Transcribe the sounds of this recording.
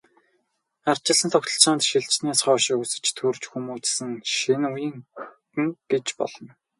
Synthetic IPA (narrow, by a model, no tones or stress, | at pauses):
art͡ɕɪ̆ɮə̆nt̪ʰɔkt̪ɞ̆ɬt͡saːnt̪ʃiɮt͡ɕnæːsχɔːʃĭkusɘ̆t͡ɕt̪ʰurt͡ɕxumuːt͡ssɘ̆ŋʃinujĭːŋtɘ̆ŋɡ̥et͡ɕpɔ̰ɮ̥ɞ̆n